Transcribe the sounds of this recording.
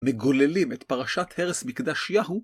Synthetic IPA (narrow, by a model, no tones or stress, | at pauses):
meɡo̞lelimet̪paʁaʃat̪he̞ʁesmikd̪aʃjaɦu